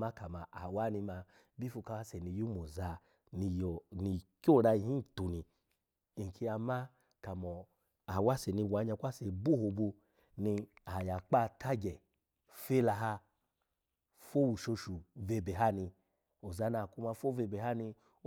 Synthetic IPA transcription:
ma˦ka˨ma˨ʔa˨wa˦ni˧ma˧ | bi˦fu˧ka˧wa˦se˨ni˧ju˦mo˨za˧ | ni˧jɔ˨ni˧kʲo˦˨ɾa˧i˧˦i˦˨tu˨ni˨ | i˨ŋ˨kʰi˧a˧ma˦ | ka˨mɔ˨ | a˨wa˦se˨ni˧wa˨˧˦ɲa˧kʷa˦se˨bu˦ho˧bu˧ | ni˧a˨ja˨k͡pa˦˨tʰa˦ɡɛ˨ | fe˦la˧ɦa˧ | fo˦wu˨ʃo˧ʃu˨ve˧be˨ɦa˦ni˧ | o˨za˧na˨ku˧ma˧fo˦ve˧be˨ha˦ni˧˦

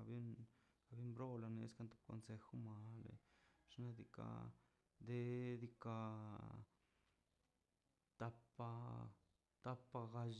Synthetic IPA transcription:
a˧bi˦nka˧bi˦mbɾo˦la˧nḛ˧˦ska˧nt̪o̥˦p̚ko̰˨nse˧xu˦ma˨lḛ˨ʂna˧d̪i˧ka̰˧ | d̪e˦d̪i˧ka˧ | t̪a˧pa˧ | t̪a˦˧pːa˧ɡa˧ʒ

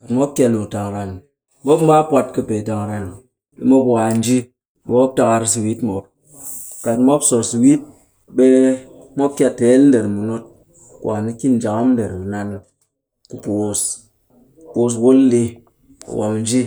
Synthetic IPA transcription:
a˨mo˦p̚kʲa˦nu˨ta˨ŋ˨ɾa˨n˨˦ | mo˦pm̩˦ba˦pwa˦t̚kɨ˦pe˨ta˨ŋ˨ɾa˨n˨ | lḭ˦mo˦pwa˨n̩˦d͡ʒi˦ | me˦o˦p̚ta˨ka˨ɾi˦s̬i˨wi˦tmo˨p̚ | ka˨tmo˦pso˨si˨wi˦t̚ | be˦ | mo˦p̚kʲja˦te˨˦ln̩˦de˨ɾmu˨no˦t̚ | kwa˨ni˦ki˦n˨d͡ʒa˨ŋa˦n̩˦de˨ɾmu˨na˦n˦ | ku˨po˨o˨s | po˨s̬wo˦lli˦ | ṵ˨wa̰˨mn̩˦d͡ʒi˦

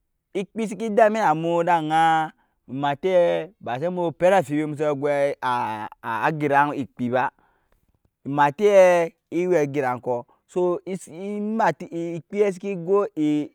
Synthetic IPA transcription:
i˦k͡pi˦s̬i˦ki˦da˦mi˦na˨mo˨˦da˦˨ŋa˦ | i˨ma˨te˦ɛ˦ba˨s̬e˦mo˦pe˦ɾa˦˨fi˨be˦mu˨s̬o˦ɡʷɛ˦˨ | ɡi˨ɾa˨˦ni˨k͡pi˨ba˦ | i˨ma˨te˦ɛ˦ | i˦wɛ˨ɡi˨ɾa˨ŋ˨kɔ˨ | so˦ma˨ti˦˨k͡pi˦ɛ˦s̬i˦ki˦ɡo˦i˨

